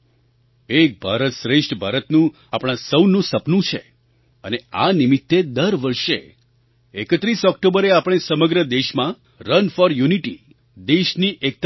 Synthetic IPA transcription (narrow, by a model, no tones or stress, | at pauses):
ek̚bʱaɾət̪ʃɾeʃʈʰbʱaɾət̪nũ | apɽ̃ãsəwnːũsəpnũt͡ʃʰḛ | ənea̰nimit̪ːed̪əɾʋəɾʃḛ | ekət̪ɾisɔk̚ʈobəɾeapəɽ̃esəməɡɾəd̪eʃmã | ɾənfɔɾjuniʈi | d̪eʃniʔek̚t̪